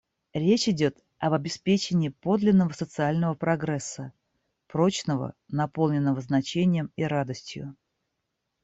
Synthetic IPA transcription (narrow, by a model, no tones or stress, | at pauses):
ɾʲet͡ɕɪdʲo̞t̪ | ɐbɐbʲɪspʲet͡ɕɪnʲɪːpo̞d̪lʲɪnːəvəsət̪sɨalʲnəvəpɾɐɡɾɛsːə | pɾo̞t͡ɕnəvə̰nɐpo̞lˠnʲɪnːəvəznɐt͡ɕenʲɪjəmiɾad̪əsʲtʲjʊ̰